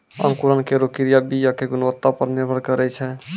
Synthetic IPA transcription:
ə̰mkuɾənkeɾokiɾijabijakeɡunʋət̪ːapəɾniɾbʱəɽkəɾɛt͡ʃʰɛ

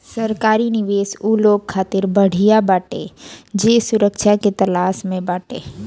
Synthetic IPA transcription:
sɐɾkaːɾinɪʋeːsuːloːɡkʰːaːt̪ɪɾbɐɽ̤ijabaːʈḛd͡ʒeːsʊɾəkʃaket̪ɐlaːsmẽbaːʈḛː

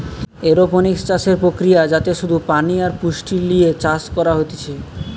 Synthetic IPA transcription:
eɾoponikst͡ɕaʃeɾpɾokɾijad͡ʑat̪eʃud̪ʱupaniaɾpuʃʈilliet͡ɕaskɔɾaɦot̪et͡ɕʰe

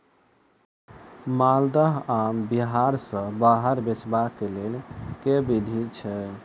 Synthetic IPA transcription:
mald̪əɦambiɦaɾsə̃baɦəɾbet͡ʃbakːelelkebid̪ʱit͡ʃʰɛ

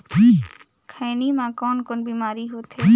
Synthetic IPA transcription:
i | kʰaːniːmãːkoːnkoːnbiːmaːɾiːɦoːt̪ɦe

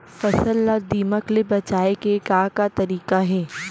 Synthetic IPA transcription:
fɐsəlːad̪iːməklebɐt͡ʃaːekekaːkat̪ɐɾiːqaɦɛː

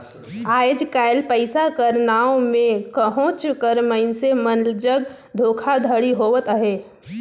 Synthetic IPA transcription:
aːjd͡ʒkaːɪlpəɪsakəɾnaːõmẽkəɦõːt͡ʃkəɾməɪnsemənld͡ʒəɡ | d̪ʱoːkʰad̪ʱəɽiɦoːʋət̪əɦeː

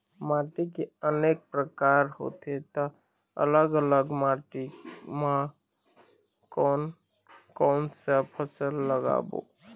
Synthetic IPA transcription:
maːʈikeəneːk̚pɾəkaːɾho̰ːt̪et̪a | ə̰ləɡələɡmaʈimã | kɔːn | kɔːnsapʰəsəlːəɡa̰ːbo̰ː

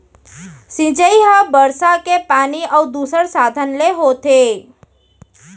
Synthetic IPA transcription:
sĩd͡ʒəiɦabəɾsakepaniʔəud̪usəɾsad̪ʱənleɦot̪e

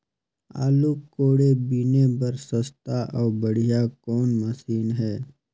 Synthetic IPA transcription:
a̰ːlukːoːɽebinebɐɾsɐst̪aʔɔːbəɽ̤ijakɔːnməsiːnɦɛː

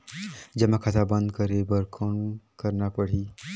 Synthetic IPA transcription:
d͡ʒɐmːakʰɐt̪ʰabə̃nd̪kəɾebəɾkʰoːnkəɾnapəɽ̤iː

